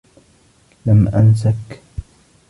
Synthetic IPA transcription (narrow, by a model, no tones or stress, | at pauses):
lamʔans̬ak